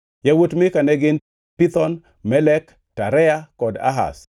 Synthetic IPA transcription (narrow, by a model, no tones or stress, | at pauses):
jawotmɪkanɛɡɪn | pit̪ɔn | mɛlɛk | taɾɛakɔda̰ɦa̰s